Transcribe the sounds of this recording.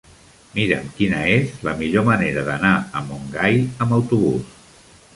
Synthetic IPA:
miɾəmkinəezləmiʎoməneɾəðənaəmuŋɡajəməwt̪uβus

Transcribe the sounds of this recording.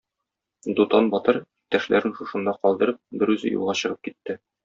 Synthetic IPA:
d̪ut̪ɑnbɒt̪ɤɾ | t̪æʃlæɾɘnʃuʃɤ̆nd̪ɑqɒlˠd̪ɤ̆ɾɤp̚bɘɾʉzɘ̰jṵlˠʁɑɕɤ̆ʁɤp̚kit̪ːɘ

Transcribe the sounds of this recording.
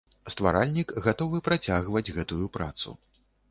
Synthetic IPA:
st̪va̰ɾalʲnʲikɣat̪ɔvɨpɾat͡sʲaɣvɐd͡zʲɣɛt̪ujupɾat̪sṵ

